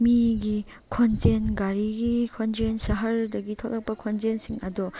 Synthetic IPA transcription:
miɡi | kʰɔnzenɡaɾiɡikʰɔnzensaɦɐɾdɐɡitʰɔklak̚pɐkʰɔnzensiŋɐdɔ

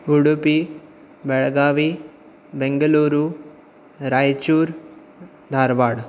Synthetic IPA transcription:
uɽupi | bɛɭɡaːʋi | beŋɡɐluːɾu | ɾaːjt͡ʃuːɾ | d̪ʱaːɾʋaːɽ

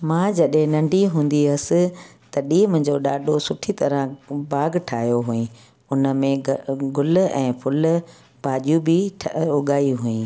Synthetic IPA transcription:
mãːd͡ʑɐɗɦɪ̃nɐ̃ɳɖʱiɦũːn̆d̪iɐsɪ̆t̪ɐɗiːmʊ̃ɦɲ̆d͡ʑoɗaːɗosʊʈʰit̪ɐɾə̃baːɡʈʰaːɦjoɦuːĩ | ʊnə̆mẽɡʊl̆ɛ̃ːpʰʊl | baːʄjũbɪʈʰʊɠaːiɦuːĩː

